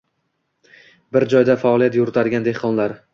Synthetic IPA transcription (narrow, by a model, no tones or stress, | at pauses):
bɪɾd͡ʒɒjd̪afaːliat̪jʊɾɪt̪ʰaɾɡʲand̪ehqʰɒnlaɾ